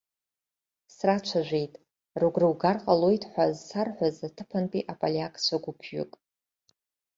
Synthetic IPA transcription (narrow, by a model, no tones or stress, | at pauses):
srat͡ʃʷʰaʒᶣʷejtʼ | ruɡrɨwɡarqʼalojtʼħʷazsarħʷazatʰɨpʰanpʼiʔapʼalʲiakʼsʷʰaɡʷʊpʰɥʏ̰kʼ